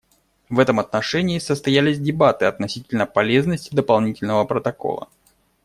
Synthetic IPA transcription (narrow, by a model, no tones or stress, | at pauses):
vɛt̪əmɐt̪nɐʂɛnʲɪːsəst̪ɐjælʲɪzʲdʲɪbat̪ɨɐt̪nɐsʲitʲɪlʲnəpɐlʲe̞znəsʲtʲɪd̪əpɐlˠnʲitʲɪlʲnəvəpɾət̪ɐko̞̰lˠə̰